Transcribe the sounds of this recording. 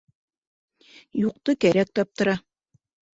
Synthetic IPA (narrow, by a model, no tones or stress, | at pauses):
juq̚t̪ɤkæɾæk̚t̪ɑp̚t̪ɤ̆ɾɑ